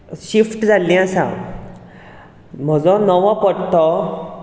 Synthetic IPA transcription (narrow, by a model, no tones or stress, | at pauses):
ɕifʈd͡zʱalːĩasã̰ | m̤əd͡zɔ̃nɔʋɔ̃pəɽt̪ɔ